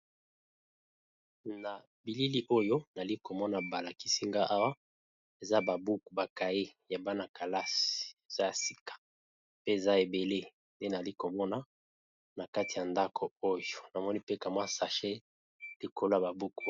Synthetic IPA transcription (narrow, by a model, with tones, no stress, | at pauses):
na˨ | bi˨li˦li˦ʔo˦jo˦na˨li˦ko˨mɔ˦na˨ba˨la˨ki˦si˦ŋɡa˦ʔa˦wa˦ | e˨za˦ba˨bu˦ku˨ba˨ka˨e˦ja˨ba˦na˨kʰa˨la˦si̥˨e˨z̥a˦ja˨si̥˦kḁ˨ | pe˦e˨za˦e˨be˨le˦ | nde˦na˨li˦ko˨mɔ˦na˨ | na˨ka˦ti˨ja˨nda˦kʰo˨o˦jo˨na˨mɔ˦ni˦pe˦ka˨mwa˦sa˨ʃe˦ | li˨kʰo˦lo˦a˨ba˨bu˦ku˦